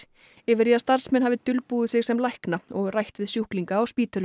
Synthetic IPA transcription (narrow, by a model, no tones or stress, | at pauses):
ɪvɪɾjiast̪aɾ̥smɛnhavɪt̪ʰʏlpuːðɪsɪɣsɛmlajhknaɔɣrajht̪ɪðsjuhkliŋkaːwspiːt̪œl